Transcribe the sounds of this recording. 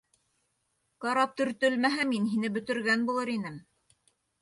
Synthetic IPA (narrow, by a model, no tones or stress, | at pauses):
qɑɾɑp̚t̪ɵ̆ɾt̪ɵlmæɦæminɦinɘbɵ̆t̪ɵ̆ɾɡænbulˠɤɾinɘm